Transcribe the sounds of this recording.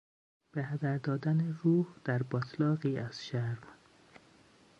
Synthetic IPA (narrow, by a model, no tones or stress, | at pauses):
b̥ehæd̪æɾd̪ɒːd̪æneruːhd̪̥æɾbɒt̪ʰlɒːɣiːæz̥ʃæɾm